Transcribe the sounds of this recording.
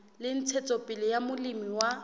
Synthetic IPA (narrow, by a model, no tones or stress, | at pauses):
lɪn̩t͡sʰet͡sʼɔpʼɪlɪjamʊlimiwa